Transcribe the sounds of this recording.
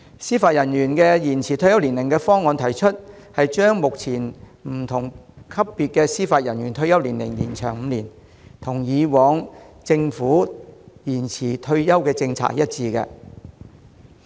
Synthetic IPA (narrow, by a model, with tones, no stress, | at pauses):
siː˥faː˧t̚jɐ˨˩njyː˨˩nkɛː˧jiː˨˩nt͡sʰiː˨t̪ʰɵ˧ɥjɐ˥wli˨˩nlɪ˨˩ŋkɛ˧fɔː˥ŋːɔː˧nt̪ʰɐ˨˩jt͡ʃʰɵ˥t̚ | hɐ˨jt͡ʃœː˥ŋmʊ˨k̚t͡sʰiː˨˩n | m̩˨˩t̪ʰʊ˨˩ŋkʰɐ˥pːiː˨˧t̚kɛː˧siː˥faː˧t̚jɐ˨˩nɥyː˨˩nt̪ʰɵ˧ɥjɐ˥wliː˨˩nlɪ̰˨˩ŋliː˨˩nt͡ʃʰœː˨˩ŋm̩˨˧liː˨˩n | t̪ʰʊ˨˩ŋjiː˨˧wɔː˨˧ŋt͡sɪ˧ŋfuː˨˥jiː˨˩nt͡sʰiː˨˩t̪ʰɵ˧ɥjɐ˥wkɛː˧t͡sɪ˧ŋt͡sʰa̰ː˥kjɐ˦˥t̚t͡siː˧kɛ̰˧